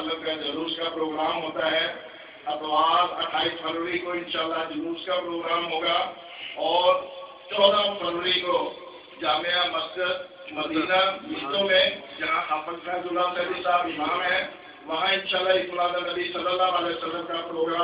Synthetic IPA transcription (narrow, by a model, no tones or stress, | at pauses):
t̪ləbkad͡ʒɐɾuːɾskapɾoːɡɾaːmɦoːt̪aɦɛ | ɐpʋaːzɐ̰ʈʰaːispʰɐɾʋəɾikoɪ̃nʃaːlːad͡ʒɐɾuːɾskapɾoːɡɾaːmɦoːɡa | ɔːɾ | t͡ʃɔːd̪apʰɐɾʋəɾiko | d͡ʒaːmijãmɐsd͡ʒɪd̪ | mɐd̪iːnamɪt̪õmẽd͡ʒɐɦãxaːpənʰãzʊlaːnsɛɦbisaːbɪɦaaːmɦɛ̃ | ʋɐɦãɪnʃaːlːaɦɪkmʊlãːd̪anɐbisɐləlːaʋaːlesɐləbkapɾoːɡɾaː